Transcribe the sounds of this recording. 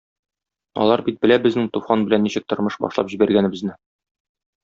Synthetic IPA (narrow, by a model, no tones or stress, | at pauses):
ɒ̰lˠɑɾbit̪̚bɘ̆læbɘ̆znɘŋt̪ufɑnbɘ̆lænːiɕɘ̆k̚t̪ŏɾmɤʃbɒ̰ʃlˠɑ̰pʑibæɾɡænɘ̆bɘ̆znɘ